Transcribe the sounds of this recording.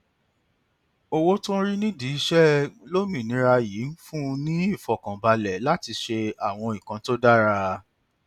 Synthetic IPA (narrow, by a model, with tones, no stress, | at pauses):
o˧wo˦tũ˦ɾi˦nĩ˦di˨i˦ʃɛ˦lo˦mĩ˨nĩ˨˦ɾa˧ji˨˦n̩˦fũ˦˧nĩ˦i˦˨fɔ˨kã˨ba˧lɛ˨la˦ti˧ʃe˧a˨w̃ɔ̃˧i˨kã˨˦to˦da˦ɾa˧